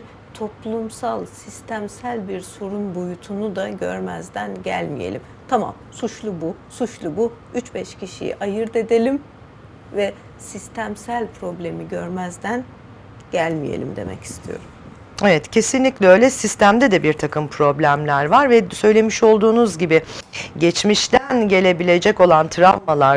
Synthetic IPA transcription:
t̪ʰo̞plˠumsalˠsist̪ʰæmsælʲbiɾso̞ɾunbojut̪ʰunud̪aɟø̰ɾmæ̰zd̪ænɟæ̰lʲmḭjḛlʲim | t̪ʰama̰msut͡ʃlˠubusut͡ʃlˠubu | yt͡ʃbɛʃcʰiʃḭjḭʔajɯɾd̪e̞d̪elʲim | vɛ | sist̪ʰæmsælʲpʰɾo̞blʲe̞miɟøɾmæzd̪æn | ɟ̥ælʲmijḛlʲḭmd̪e̞̰mɛ̰ci̥st̪ʰijo̞̰ɾum | e̞vɛt̪cʰe̞sinlʲiclʲɛøjlʲɛsist̪ʰæmd̪ɛd̪ɛbiɾt̪ʰakʰɯmpʰɾo̞blʲæmlʲæɾvaɾvɛsø̞jlʲe̞miʃo̞lˠd̪uːnuzɟibiɟɛt͡ʃmiʃt̪ænɟe̞lʲe̞bilʲe̞d͡ʒɛco̞lˠant̪ʰɾavmalˠaɾ

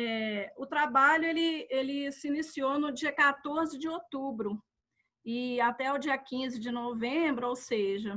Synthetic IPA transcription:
ɛʊt̪ɾabaʎʊelɪelɪsɪinisionʊd͡ʒiɐkat̪oɾzɪd͡ʒɪot̪ubɾʊ | ɪat̪ɛʊd͡ʒiɐkĩzɪd͡ʒɪnovẽbɾʊowseʒɐ

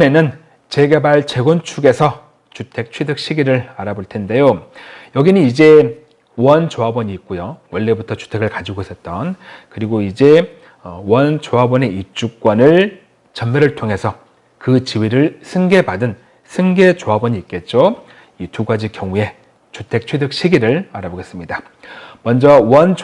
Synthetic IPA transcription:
ne̞nɯn | t͡ɕeɡe̞baɭt͡ɕe̞ɡʌnt͡ɕʰuɡe̞sʰʌ | t͡ɕutʰe̞k̚t͡ɕʰwidɯk̚ɕ͈iɡiɾɯɾaɾaboɭtʰe̞nde̞jojʌɡiniid͡ʑe̞ | wʌnt͡ɕoɦabwʌɲiːk̚k͈ujowʌɭːe̞butʰʌt͡ɕu̥tʰe̞ɡɯɭkad͡ʑiɡoisʰʌt̚t͈ʌnkɯɾiɡoid͡ʑe̞ | wʌnt͡ɕoɦabʌne̞ip̚t͡ɕ͈uk̚k͈wʌnɯɭ | t͡ɕʌnmeɾɯɭtʰoŋɦe̞sʰʌ | kɯt͡ɕiwiɾɯɭsʰɯŋɡe̞padɯn | sʰɯŋɡe̞t͡ɕoɦabwʌɲiːt̚k͈e̞t̚t͡ɕ͈o | ituɡad͡ʑikjʌŋue̞ | t͡ɕutʰe̞k̚t͡ɕʰwe̞dɯk̚ɕʰiɡiɾɯɭaɾaboɡe̞s͈ɯmɲida | mwʌnd͡ʑʌwʌn

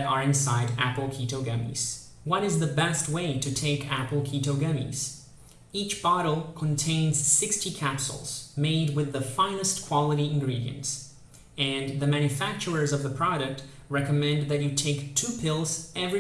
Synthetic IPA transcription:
ɾə˞ɨ̃nsaɪɾæpl̩ˠkʰiɾoʊɡʌmḭz̥ | wʌ̃ɾɨzðɨbɛst̚weɪɾɨtʰeɪkʰæpl̩ˠkʰiɾoʊɡʌmḭz̥ | it͡ʃb̥ɑɾl̩ˠkʰə̃ntʰẽɪ̃nz̥sɪkstikʰæpsl̩ˠz̥meɪd̚wɨðəfãɪ̃nɨstkʰw̥ɑlˠəɾiɨ̃nɡɹiɾḭɨ̰̃nts | ɨ̃nðɨmæ̃njɨfæk̚t͡ʃə˞ə˞zʌvðəpʰɹ̥ɑɾɨk̚t̚ | ɹɛkɨmɛ̃nðɨt͡ʃɨtʰeɪktʰupʰɪlˠz̥ɛvɹi

